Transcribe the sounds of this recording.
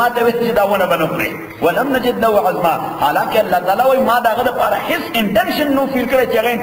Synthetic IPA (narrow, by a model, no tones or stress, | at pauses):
at̪ɐwet͡ʃid̪awɐnɐbɐnɐkʷɾḛ | wɐlɐmnɐd͡ʒɪd̪lɐuʕazmahalaːkeɐlːat̪ʼaːlaːwajmadaɣɐd̪ɐpʼaɾaħɪsɪntenʃɐnːufilkɐɾet͡ʃeɣen